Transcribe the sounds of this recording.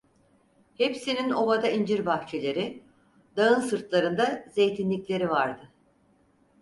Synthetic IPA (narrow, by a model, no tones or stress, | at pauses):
hepsinino̞vad̪aind͡ʒiɾbaxt͡ʃʰe̞lʲe̞ɾɪ | d̪aɯnsɯɾt̪lˠaɾɯnd̪aze̞jt̪ʰinlʲicʲlʲe̞ɾivaɾd̪ɯ